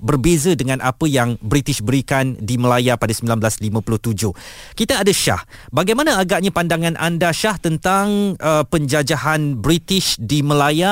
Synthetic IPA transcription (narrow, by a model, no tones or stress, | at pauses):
bərbezədəŋãnʔapəjaŋbɾit̪ɪʃbəɾikandiməlajapadasəmbilanbəlaslimãpulʊht̪ud͡ʒʊhkit̪aːdaʃa̰hbaɡajmãnãaɡaʔɲãpandaŋãnʔa̰ndaʃaht̪ənt̪aŋəpəɲd͡ʒad͡ʒaɦanbɾit̪ɪʃdiməlaja